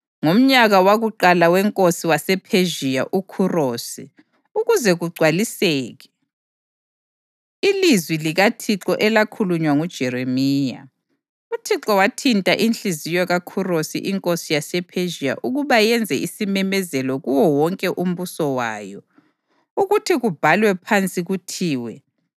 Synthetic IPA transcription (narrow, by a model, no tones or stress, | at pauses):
ŋom̩ɲaɣawaɣuǃalawɛŋkʼosiwasɛpʰeʒiaʔukʰuroːsi | uɣuzɛɣuɡ͡ǀʱwalisɛːɣɛ | ilizwiliɣatʰiǁɔʔɛlakʰuluɲwaŋud̥ʒ̥ʱɛɾemiːja̰ | utʰiǁɔwatʰintʼaʔinɬizijɔɣakʰurosḭʔiŋkʼosijasɛpʰeʒija̰ʔuɣuβajɛnd͡zʱɛʔisimɛmɛzɛlɔɣuwɔwɔŋkʼɛʔum̩βusɔwaːjɔ | uɣutʰiɣub̥ʱalwɛpʰant͡sʼiɣutʰiːwɛ